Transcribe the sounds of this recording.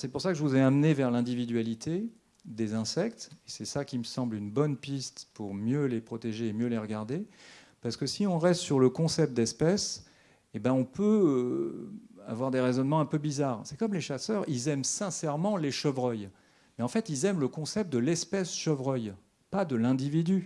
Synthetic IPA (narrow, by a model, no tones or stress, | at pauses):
sɛpuʁsakəʒəvuzɛamnevɛʁlɛ̃d̪ivid̪ɥalit̪ʰe | d̪ezɛ̃sɛkt̪esɛsakʲiməsɑ̃blynbɔnpist̪puʁmjølepχɔt̪eʒeːmjøleʁəɡaʁd̪epaʁsəkəsiɔ̃ʁɛst̪syʁləkɔ̃sɛp̚t̪̚d̪ɛspɛs | ebɛ̃ɔ̃pʰø | a̰vwaʁd̪eʁezɔnmɑ̃ɛ̃pøbizaːʁsɛkɔmleʃasœʁilzɛmsɛ̃sɛʁmɑ̃leʃəvʁœj | mɛɑ̃fɛt̪ilzɛmləkɔ̃sɛp̚t̪̚d̪əlɛspɛsʃəvʁœj | pad̪əlɛ̃d̪ivid̪y